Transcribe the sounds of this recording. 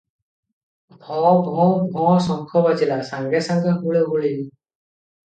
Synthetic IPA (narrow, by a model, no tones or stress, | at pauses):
bʱɔbʱɔ̃bʱɔ̃sɔŋkʰɔbad͡ʒilasãŋɡɾɛsãŋɡaɦuɭeɦuɭini